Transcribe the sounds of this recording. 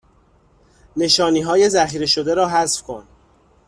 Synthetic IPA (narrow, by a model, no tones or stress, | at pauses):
ne̞ʃɒːniːɦɒːje̞zæxiːɾe̞ʃod̪e̞ɾɒːɦæsfkʰo̰n